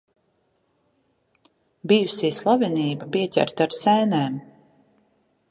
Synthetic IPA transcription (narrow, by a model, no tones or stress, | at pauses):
bijusiːslˠaviniːbapiɛcʲæ̰ɾt̪aɾsɛːnɛːm